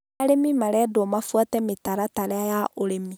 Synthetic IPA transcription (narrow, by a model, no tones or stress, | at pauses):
aɾemimaɾɛdɔmafwatɛmetaɾataɾɛajaʔoɾemi